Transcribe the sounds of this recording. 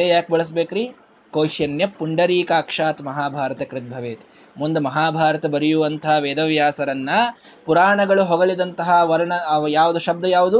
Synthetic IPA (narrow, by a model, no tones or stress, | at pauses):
eːjaːk̚bɐɭɐs̬beːkɾiː | koːʃjɐnjɐpːuɳɖɐɾiːkaːkʂaːt̪mɐɦaːbʱaːɾɐt̪ɐkɾɪt̪̚bʱɐʋeːt̪ | mund̪ɐmɐɦaːbʱaːɾɐt̪ɐbɐɾijuʋɐnt̪ɐɦɐʋeːd̪ɐʋjaːsɐɾɐnːɐ | puɾaːɳɐɡɐɭuɦoɡɐɭid̪ɐnt̪ɐɦɐʋɐɾɐɳɐjaːʋud̪uʃɐb̚d̪ɐjaːʋud̪u